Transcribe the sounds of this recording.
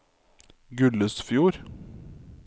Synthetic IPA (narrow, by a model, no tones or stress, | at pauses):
ɡʉləsfjuːɾ